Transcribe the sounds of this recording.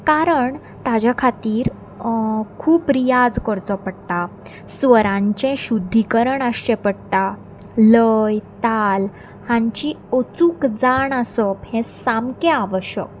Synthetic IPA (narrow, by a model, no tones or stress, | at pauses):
kaɾəɳ | t̪ad͡ʑjakʰat̪iːɾ | kʰuːpɾijad͡zkəɾt͡sɔpəɽt̪a | sʋəɾãɲt͡ɕɛ̃ɕud̪ʱːikəɾəɳəɕt͡ɕẽpəɽt̪a | ləjt̪al | hãɲt͡ɕiot͡sukd͡zaɳəsəphẽsamkẽaʋəɕjə̰k̚